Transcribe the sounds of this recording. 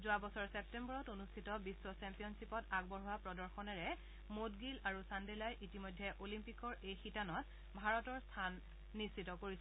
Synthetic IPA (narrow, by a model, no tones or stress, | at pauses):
zʊabɔsɔɹsɛp̚tɛmbɔɹɔtonustʰitɔbiswɔsɛmpijɔnsipɔtaɡ̚bɔɹɦʊwapɹɔdɔɹxɔnɛɹɛ | modɡilaɹusandɛlajʔitimɔjdʱːɛʔolimpikɔɹejxitanɔt | bʱaɹɔtɔɹstʰanː | istːʰitɔkoɹisɛ